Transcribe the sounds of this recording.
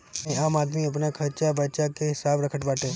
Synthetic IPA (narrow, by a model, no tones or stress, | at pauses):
ɛ̃ːaːmaːd̪miːəp̬naːkʰəɾt͡ʃaːbət͡ʃakeːɦɪsaːbɾəkʰəʈʋaːʈeː